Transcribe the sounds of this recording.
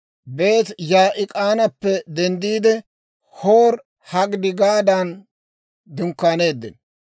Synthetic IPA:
be̞ːt̪jaːʔɪkʼaːnɐpːɛd̪ɛnd̪iːd̪ɛ | hoːɾ | hɐɡd̪ɪɡaːd̪an | d̪ʊŋkːaːne̞ːd̪ːɪ̰n

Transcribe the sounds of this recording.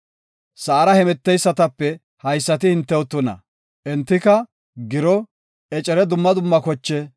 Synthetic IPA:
sɐːɾɐhɛmɛt̪ːɛjsːɐt̪ɐpːɛ | hɐjsːɐt̪ɪhɪnt̪ːɛwɔt̪ːʊnɐ̰ | ʔɛnt̪ːɪkɐ | ɡɪɾɔ | ɛt͡ʃʼɛɾɛd̪ʊmːɐd̪ʊmːɐkɔt͡ʃːɛ

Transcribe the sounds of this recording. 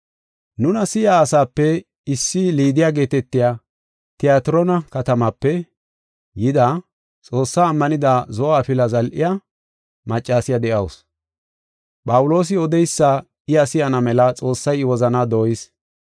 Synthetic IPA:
nʊnɐsɪjaːsaːpːɛ | ɪsːɪliːd̪ɪjaːɡe̞ːt̪ɛt̪ːɪjaː | t̪ɪjaːt̪ɪɾɔnɐkɐt̪ɐmɐpːɛ | jɪd̪a | t͡sʼo̞ːsːaːmːɐnɪd̪azɔaːpɪlɐzɐlʔɪja | mɐt͡ʃʼːaːsɪjɐd̪ɛʔɐws | pʼɐwʊlo̞ːs̬ɪɔd̪ɛjsːa | ɪɐsɪjɐnɐmɛlɐt͡sʼo̞ːsːɐjɪwɔzɐnaːd̪oːjɪs

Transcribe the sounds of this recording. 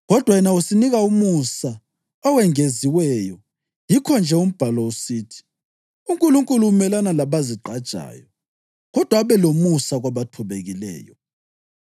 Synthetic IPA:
ɣɔd̥ʱwajɛnausiniɣaumusa | ɔwɛŋeziwɛjɔ | jikʰɔnd͡ʒʱɛum̩b̥ʱalɔusiːtʰi̥ | uŋkʼuluŋkʼulumɛlanalaβaziǃad̥ʒ̥ʱa̰ːjɔ | ɣɔd̥ʱwaβɛlomusaɣwaβatʰɔβeɣilɛ̰ːjɔ

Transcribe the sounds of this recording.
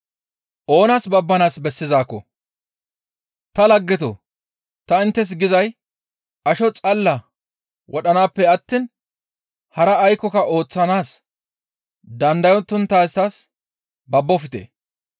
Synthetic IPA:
ʔo̞ːnaːsbɐbːɐnaːsbɛsːɪzaːkːɔ̰ | t̪ɐlɐɡːɛt̪o̰ | t̪ɐɪnt̪ːɛs̬ɡɪzɐj | ɐʃɔt͡sʼɐlːɐ | wʔɔɗɐnaːpːɛɐt̪ːin | hɐɾɐːjkːɔkɐʔo̞ːt͡sːɐnaːs | d̪ɐnd̪ɐjɔnt̪ːʊnt̪ːaːst̪as | bɐbːɔfɪt̪ḛː

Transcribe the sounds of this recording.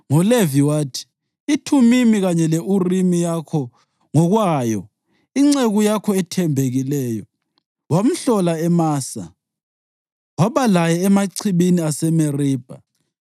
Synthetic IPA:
ŋɔleviwaːtʰi̥ | itʰumimiɣaɲɛleʔurimijakʰɔ | ŋɔɣwajɔ | iŋ͡ǀeɣujakʰɔɛtʰɛmbʱeɣilɛːjɔ | wam̩ɬɔlaɛmaːsa̰ | waβalajɛɛmaǀʰiβiniasɛmeriːb̥ʱa

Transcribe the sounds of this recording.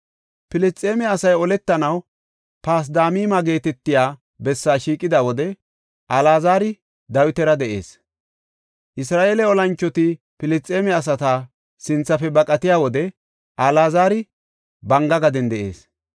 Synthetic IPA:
pɪlɪst͡sʼːeːmɛɐsɐjɔlɛt̪ːɐnɐw | paːs̬d̪aːmiːmaɡe̞ːt̪ɛt̪ːɪjaː | bɛsːaːʃiːkʼːɪd̪awɔd̪ɛ | ʔɐlaːzaːɾɪ | d̪ɐwɪt̪ɛɾɐd̪ɛʔe̞̰ːs | ʔɪsɾaːʔeːlɛɔlɐnt͡ʃːɔt̪ɪ | pɪlɪt͡sʼːeːmɛɐs̬ɐt̪a | sɪnt͡sːɐfɛbɐkʼɐt̪ɪjaːwɔd̪ɛ | ʔɐlaːzaːɾɪ | bɐŋɡɐɡɐd̪ɛnd̪ɛʔe̞̰ːs

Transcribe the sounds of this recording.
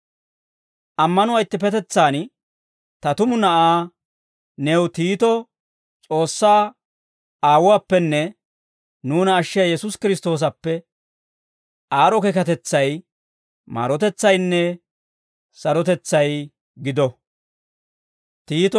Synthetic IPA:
ʔɐmːɐnʊwɐjt̪ːɪpɛt̪ɛt͡sːaːn | t̪ɐt̪ʊmʊnɐʔaː | nɛwt̪iːt̪ɔ | t͡sʼo̞ːsːaː | aːwʊwaːpːɛnːɛ | nuːnɐːʃːɪjajɛsʊskɪɾɪst̪o̞ːs̬ɐpːɛ | aːɾɔkɛkɐt̪ɛt͡sːɐj | ma̰ːɾɔt̪ɛt͡sːɐjnːɛ | sɐɾɔt̪ɛt͡sːɐj | ɡɪd̪ɔ | t̪iːt̪ɔ

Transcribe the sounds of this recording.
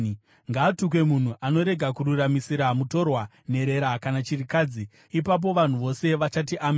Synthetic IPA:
ŋɡaːtuk̬we̞mun̤uʔano̞ɾe̞ɡʱakuɾuramisiɾamuto̞rwa | n̤e̞ɾe̞ɾakanat͡ʃirikaːd͡zi | ipap̬o̞ʋan̤uʋo̞se̞ʋat͡ʃatiʔame

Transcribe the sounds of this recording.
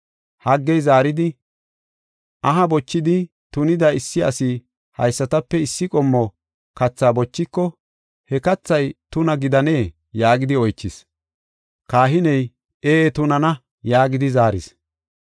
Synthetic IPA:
hɐɡːɛjzaːɾɪd̪ɪ | ʔɐɦɐbɔt͡ʃːɪd̪ɪ | t̪ʊnɪd̪ɐɪsːɪɐ̰sɪ | hɐ̰jsːɐt̪ɐpːɛɪsːɪkʼɔmːɔ | kɐt͡sːaːbɔt͡ʃːɪkːɔ | hɛkɐt͡sːɐjt̪ʊnɐɡɪd̪ɐneː | jaːɡɪd̪ɪɔjt͡ʃːɪs | kaːɦɪnɛj | eːt̪ʊnɐnɐ | jaːɡɪd̪ɪzaːɾɪ̰s

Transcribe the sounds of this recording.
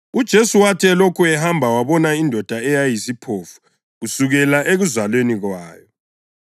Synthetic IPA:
ud̥ʒ̥ʱesuwatʰɛlokʰuɛɦambʱawaβɔnaindʱɔd̥ʱaɛjajisipʰoːfu̥ | ɣusuɣɛlaʔeɣuzwalweniɣwaːjɔ

